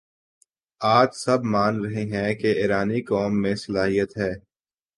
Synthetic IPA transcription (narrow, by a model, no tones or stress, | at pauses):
aːt̪sɐbmaːnɾɐɦeɦɛ̃keɪːɾaːnikɔːmːẽsɐlaːɦijət̪ɦɛː